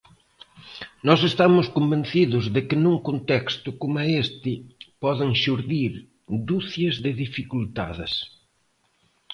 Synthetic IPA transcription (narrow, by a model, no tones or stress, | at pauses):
nɔs̬est̪amʊskombẽnθiðʊzðɪkɪnuŋkont̪ɛkst̪ʊkomaest̪ɪpɔðɪŋʃuɾðiɾ | d̪uθjɐzðɪðifikult̪a̰ðɪs